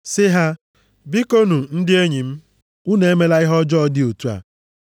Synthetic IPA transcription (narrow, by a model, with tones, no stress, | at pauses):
sɪ˦ɦa˦ | bi˦ko˦nu˨n̩˦dɪ˦e˦ɲi˨m̩˦ | u˦ne˨e˦me˦la˦ɪ˦ɦɔ˦d͡ʒɔ˦ɔ˦dɪ˦o˨tu˦a̰˨